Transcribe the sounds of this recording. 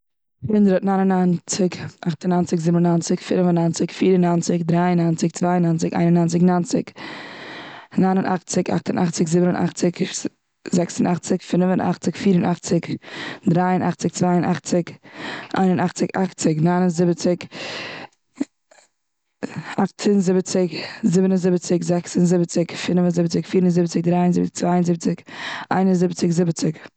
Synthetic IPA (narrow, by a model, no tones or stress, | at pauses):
hɪndɾətnaɪnənant͡sɪkʔaχtənant͡sɪkzɪbnənant͡sɪkfɪɾvənant͡sɪkfiːɾənant͡sɪkdɾaɪənant͡sɪk̚t͡svaɪənant͡sɪkʔa̰ɪnənaːnt͡sɪknant͡sɪ̰k | naɪnənʔa̰χt͡sɪka̰χtənʔaχt͡sɪkzɪbənənʔa̰χt͡sɪk | zɛksənaχt͡sɪkfɪnvənʔa̰χt͡sɪkfiːɾənʔaχt͡sɪkdɾaɪənʔa̰χt͡sɪk̚t͡svaɪənʔa̰χt͡sɪkʔa̰ɪnənaχt͡sɪkaχt͡sɪknaːnənzɪbət͡sɪk | aχtʰənzɪbət͡sɪkzɪbənənzɪbət͡sɪkzɛksənzɪbət͡sɪkfɪnvənzɪbət͡sɪkfiːɾənzɪbət͡sɪk̚dɾaɪənzɪbɪkt͡svaɪənzɪbət͡sɪkʔa̰ɪnənzɪbt͡sɪkzɪbət͡sɪk